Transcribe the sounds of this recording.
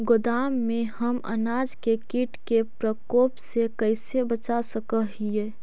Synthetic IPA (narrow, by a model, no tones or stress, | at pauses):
ɡʊd̪aːmːẽhəmə̰naːd͡ʒkekiʈkepɾəkoːpsekəɪsebət͡ʃasəkəɦie